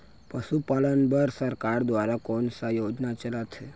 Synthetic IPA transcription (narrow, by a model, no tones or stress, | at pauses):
pəʃupalənbəɾsəɾkaɾd̪ʋaɾakonsajod͡ʒnat͡ʃəlat̪ʃʰe